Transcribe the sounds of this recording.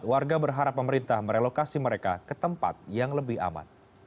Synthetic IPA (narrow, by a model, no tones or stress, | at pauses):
t̪̚warɡabərɦaɾapːəməɾint̪ahməɾelokasiməɾeka̰kət̪əmpa̰t̪̚jaŋləbɪha̰ma̰n